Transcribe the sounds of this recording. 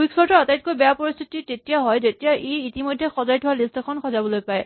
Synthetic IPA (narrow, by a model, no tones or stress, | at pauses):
wiksɔɹtɔatajt̚kojbɛjapɔɹist̪ʰititetijaɦɔjzetijaʔejitimojdʱɛxɔzajtʰɔwalistɔkʰɔnxɔzabɔlojpaj